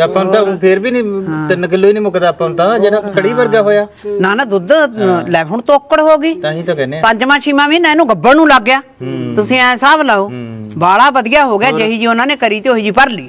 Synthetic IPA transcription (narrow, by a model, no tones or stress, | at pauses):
əpːant̪aːpʰeɾbiːnĩːt̪ənkəloːiːnĩːmʊkt̪aːpːaːnt̪aːd͡ʒeːɽaːkʰəɽiːbəɾɡaːɦoːjaː | nãːnaːd̪ʊd̪lɛːpʰoːɳt̪oːkːəɽɦoːɡiːt̪ãːɦĩːt̪ãːkɛːneːapəɲd͡ʒmãːt͡ʃʰiːmãːmiːnãɪnũːɡəbːənũːləɡːjaːt̪ʊsĩːɛ̃ːsaːblaːoːbaːɽaːbəd̪ɪjaːɦoːɡɪjaːd͡ʒeːɦiːd͡ʒiːʊnãːneːkəɾiːt̪eːoːɦiːd͡ʒiːpəɾliː